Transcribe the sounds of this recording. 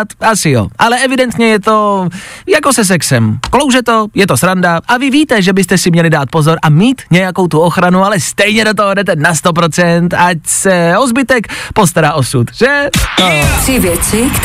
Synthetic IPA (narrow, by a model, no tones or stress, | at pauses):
t̪asɪjo̰ʔalɛʔɛvɪdɛnt̪ɲɛjɛt̪o̞jako̞sɛs̬ɛksɛmklo̞wʒɛt̪o̞jɛt̪o̞sɾandaʔavɪviːt̪ɛʒɛbɪst̪ɛsɪmɲɛlɪdaːt̪̚po̞zo̞ɾʔamiːt̪ɲɛjako̞wt̪uo̞xɾanualɛst̪ɛjɲɛdot̪̬oɦodɛt̪ɛnast̪o̞p̬ɾo̞t͡sɛnt̪acsɛozbɪt̪ɛkpo̞st̪aɾaːʔo̞sut̪ʒ̥ɛt̪osɪvjɛt͡sɪk